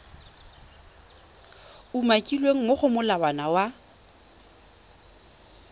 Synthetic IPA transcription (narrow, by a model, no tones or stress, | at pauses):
umakʼilweŋ̩moχʊmʊlabanawa